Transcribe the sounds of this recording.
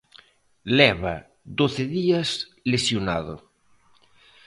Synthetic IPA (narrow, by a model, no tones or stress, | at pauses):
lɛβa̰ | d̪oθeðiɐs | lesjona̰ðo̰